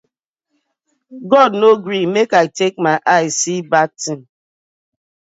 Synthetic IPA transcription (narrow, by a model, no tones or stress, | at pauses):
ɡɔdnoɡɾimekaɪtek̚maɪʔaɪsibak̚tin